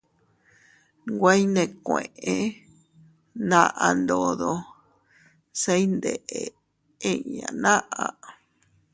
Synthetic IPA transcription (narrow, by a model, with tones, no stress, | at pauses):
ŋɡʷa˦i˦nẽ˧kʷẽ˨ʔẽ˧ | nã˦˧ʔa˧nd̪o˨˧ðo˧ | se˦i˦nd̪e˨ʔe˨ | ẽ˦ɲã̰˨nã˦ʔa˨